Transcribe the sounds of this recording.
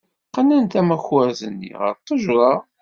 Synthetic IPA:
qːənænt̪æmæçwæɾzənːḭʁə̰ɾˤt̪ˤːəʒɾˤɑ

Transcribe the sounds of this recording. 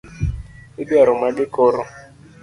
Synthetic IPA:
ɪbiaɾʊmaɡɪkɔɾɔ

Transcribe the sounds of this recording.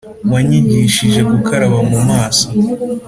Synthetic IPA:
mwaɲiɟiʃiʒe̞ɡukʰaɾaβamumaːso

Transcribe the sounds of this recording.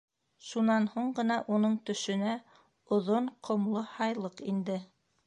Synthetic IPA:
ʃunɑnhuɴɢɤ̆nɑʔunɤɴt̪ɵ̆ʃɵ̆næ | ŏðoɴqʰŏmlˠohɑjlˠɤqind̪ɘ

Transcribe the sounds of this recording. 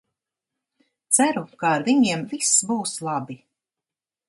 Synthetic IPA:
t̪sæɾukaːɾviɲiɛmvisbuːslˠɑbi

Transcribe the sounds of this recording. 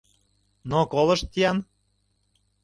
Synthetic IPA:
nokolˠɤ̆ʃt̪ʲːijɑn

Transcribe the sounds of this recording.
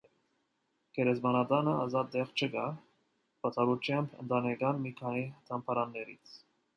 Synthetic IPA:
kʰɛɾɛzmɑnɑd̪ɑnəɑzɑt̪̚d̪ɛʁt͡ʃʰəɡɑ | b̥ɑt͡sʰɑɾut͡ʃʰjɑmpʰə̰nt̪ɑnɛɡɑnmikʰɑnit̪ʰɑmpʰɑɾɑnːɛɾit͡sʰ

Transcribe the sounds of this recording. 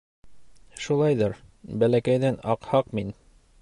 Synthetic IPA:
ʃulˠɑjðɤɾ | bælækæjðænɑqhɑqmin

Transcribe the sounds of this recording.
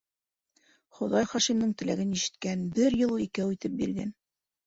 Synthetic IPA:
χŏðɑjχɑʃimnɤɴt̪ɘ̆læ̰ɡɘniʃɘ̥̆t̪̚kænbɘɾjɤlˠuikæwit̪ɘp̚biɾɡæ̰n

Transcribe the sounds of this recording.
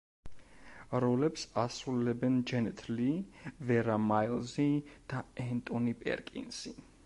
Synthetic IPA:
ɾɔlɛpsasɾuɛlɛbɛnd͡ʒɛnɛt̪ʰlivɛɾamailˠzid̪̥aɛnt̪ʼɔnipʼɛ̰ɾkʼḭnsi

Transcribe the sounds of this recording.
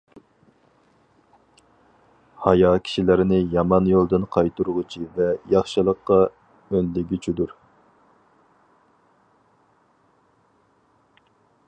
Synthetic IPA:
hɑjɑkʲʰi̥ʃilɪɾɪnɪjɑmɑnjolˠd̪ɨnqʰɑjt̪uɾʁʊt͡ʃʰivɛjɑχʃɨlˠəqːɑ | ønlɪɡʲyt͡ʃʰid̪uɾ

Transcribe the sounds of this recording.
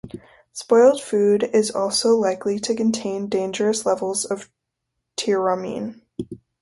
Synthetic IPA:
spɔɪlˠd̥fʉɾɪzɔlˠsoʊlaɪkliɾɨkɨ̃n̩tʰẽɪ̃ndẽɪ̃nd͡ʒə˞ɨslɛvl̩ˠzʌv̥ | tʰɪɹəmḭ̃n

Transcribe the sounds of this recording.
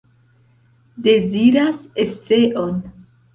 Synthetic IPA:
d̪eziɾasest͡seʔon

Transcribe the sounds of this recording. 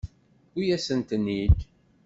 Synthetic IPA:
ujæsənt̪ənːid

